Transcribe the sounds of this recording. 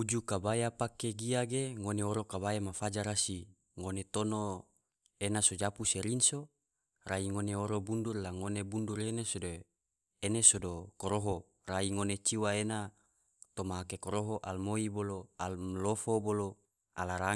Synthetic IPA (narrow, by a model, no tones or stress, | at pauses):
ud͡ʒukabajapakeɡiaɡeŋoneoɾokaβajamafad͡ʒaɾasi | ŋonet̪ono | enasod͡ʒapuseɾinso | raiŋoneoɾobundurlaŋonebundurenesodo | enesodokoɾoɦo | raiŋonet͡ʃiwaena | t̪omaɦakekoɾoɦoʔalmoiboloallofobolo | alaɾa